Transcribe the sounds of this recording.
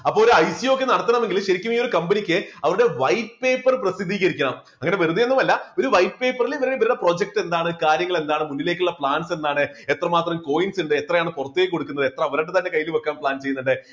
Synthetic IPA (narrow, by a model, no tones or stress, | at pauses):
ɐpːoːoɾuɐjsijo̞kːe̞nɐɽɐt̪ːɐɳɐme̞ŋɡilɕɐɾikʲːumiːo̞ɾukɐmbenikʲːɨɐʋɐɾuɽe̞ʋɐjppeːpːɐrprɐsid̪ʱːiːɣɐɾikʲːɐɳɐm | ɐŋːɐne̞ʋeruðije̞nːumɐlːɐo̞ɾuʋɐjppe̞ːpːɐriliiʋɐɾeʋɐɾuɽepro̞ːd͡ʑek̚ʈe̞nd̪aːɳɨkaːɾjɐŋːɐɭend̪aːɳɨmunːile̞ːkʲːuɭːɐpɭaːnse̞nːaːɳɨet̪rɐmaːt̪rɐmko̞ːjinsuɳɖɨet̪rɐjaːɳɨpurɐt̪ːekːo̞ɽukːunːɐðɨe̞t̪ːrɐɐʋɐɾɐɳɖɨt̪ɐnːe̞kɐjːilumokːaːmpɭaːnt͡ɕe̞jːnːuɳɖɨ